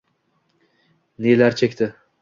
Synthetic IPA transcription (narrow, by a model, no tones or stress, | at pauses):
nelaɾt͡ʃʰekʲt̪ʰɪ